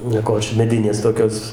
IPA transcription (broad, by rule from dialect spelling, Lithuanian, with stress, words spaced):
nʲiɛˈkoːt͡ʃʲɛ mʲɛˈdʲɪnʲeːs toːˈkʲoːs